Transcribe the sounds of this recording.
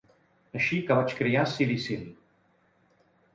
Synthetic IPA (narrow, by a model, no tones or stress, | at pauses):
əʃikəβat͡ʃkɾiasilisili